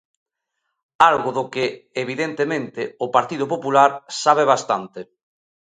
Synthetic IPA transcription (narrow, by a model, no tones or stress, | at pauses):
alɣʊðʊkɪeβiðent̪emẽnt̪ɪʊpaɾt̪iðopopulaɾsaβ̞eβ̞ast̪ant̪ɪ